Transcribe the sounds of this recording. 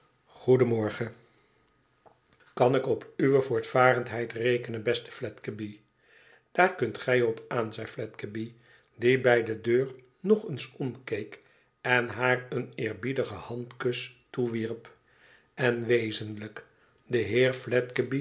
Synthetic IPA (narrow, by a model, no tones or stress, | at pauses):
χudəmɔɹχə | kɑnɪkɔpyʋəvʊːɹtfaːɾəntɦɛjtrejkənəbɛstə̥flɛtkəbi | d̥aːɹkɵntχɛjɔpaːnzɛjflɛtkəbi | dibɛjdədøːɹ | nɔχənsɔmkejk | ɛnɦaːɹənɪːɹbidəχəhɑntkɵstuʋiɹp | ʔɛnʋejzənlək | dəɦɪːɹflɛtkəbi